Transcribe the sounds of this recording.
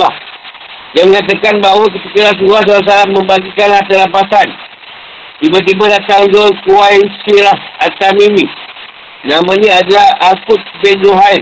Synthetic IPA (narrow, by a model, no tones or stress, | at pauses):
ah | jaŋməŋat̪̬akanbaɦwak̬ət̪ikəlas̬uuas̬aas̬alamːəmbaɡikanlaht̪əlapasan | t̪ibat̪̬ibadat̪aŋd͡ʒokuwainsiɾahat̪amimi | namaɲaadalahakʊt̪̚benɾuɦai